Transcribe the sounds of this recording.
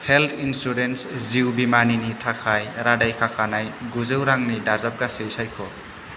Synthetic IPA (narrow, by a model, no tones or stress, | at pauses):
heltʰinsuɾensziwbimaninitʰakʰajɾadajkʰakʰanajɡuzɯwɾaŋnidazap̚ɡasejsajkʰɔ